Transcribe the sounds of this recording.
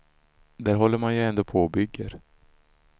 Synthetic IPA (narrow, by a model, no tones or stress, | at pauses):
d̪æːɾɦɔlːəɾmanjəɛnd̪oːpʰɔɔbʏɡːə̰ɾ